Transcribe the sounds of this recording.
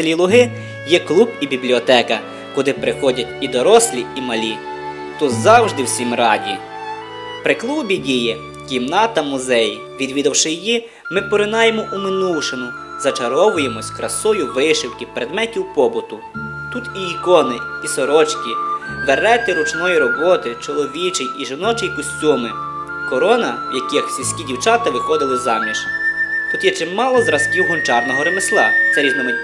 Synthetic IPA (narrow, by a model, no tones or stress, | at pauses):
t̪lʲilˠʊɦɪ | jɛklˠubibʲiblʲiɔt̪ɛkɐ | kʊd̪ɪpɾɪxɔdʲɐtʲid̪ɔɾɔsʲlʲiimɐlʲi | t̪ɔzɑwʒd̪ɪwsʲimrɑdʲḭ | pɾɪklˠubʲidʲijɛ | kʲimnɑt̪ɐmʊzɛj | ʋʲid̪ʲʋʲid̪ɐwʃɪjiji | mɪpɔɾɪnɑjemɔʔumɪnuwʃenʊ | zɐt͡ʃɐɾɔʋʊjemɔsʲkɾɐsɔjʊʋɪʃɪwkʲiwpɾed̪mɛtʲiwpɔbʊt̪ʊ | t̪ut̪iːkɔnɪisɔɾɔt͡ʃkʲiʋeɾɛt̪ɪɾʊt͡ʃnɔjiɾɔbɔt̪ɪt͡ʃɔlˠɔʋʲit͡ʃɪjiʒɪnɔt͡ʃɪjkɔsʲtʲumɪ | kɔɾɔnɐwjɐkɪxsʲisʲkʲidʲiwt͡ʃɑt̪ɐʋɪxɔd̪ɪlˠɪzɑmnʲiʃt̪ut̪jɛt͡ʃɪmmːɑlˠɔzɾɐskʲiwɦʊnt͡ʃɑrnɔɦɔɾemeslˠɑ̰sɐɾʲid̪nɔmʊ